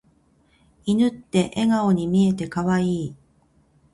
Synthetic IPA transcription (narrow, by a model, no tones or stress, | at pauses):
inɯ̟t̪ːe̞ʔeɡao̞ɲ̟imʲie̞t̪e̞kaβaiː